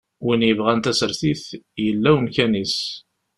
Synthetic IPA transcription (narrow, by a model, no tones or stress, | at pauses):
winjəvʁænt̪æsəɾθiθjəlːæwənkænis